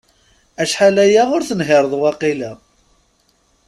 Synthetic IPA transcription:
æʃħalæjæʁʊɾθənɦɪɾˤəðˤwɑqilæ

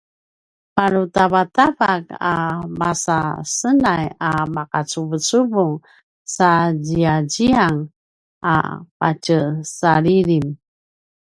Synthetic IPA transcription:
paɾutavatavakamasasənajamakat͡suvət͡suvuŋ | sad͡ʑiaɟiaŋ | a̰pa̰t͡ʃəsaɾiɾim

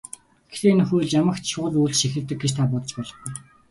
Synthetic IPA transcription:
ɡext̪eːen̆xujɮjamə̆xt͡ɕ̪ʃʊːɮuːɮt͡ɕʃixɘ̆rt̪ɘ̆k̚ɡet͡ɕt̪ʰaːp̬ɔt̪ɞ̆t͡ɕpɔːɮɞ̆χɡuj

